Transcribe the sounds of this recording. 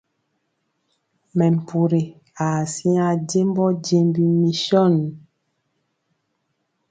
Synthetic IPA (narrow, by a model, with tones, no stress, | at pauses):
mɛ˨m˨pu˨ɾe˨ | a˨si˦a˨ɟe˦m˦bɔ˦d͡ʒe˨mbi˨mi˨ʃɔ˦˨n˨